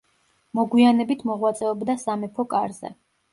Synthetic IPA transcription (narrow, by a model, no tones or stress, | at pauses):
mɔɡwianɛbit̪ʰmɔʁwat̪sʼɛɔbd̪asamɛpʰɔkʼaɾzɛ̰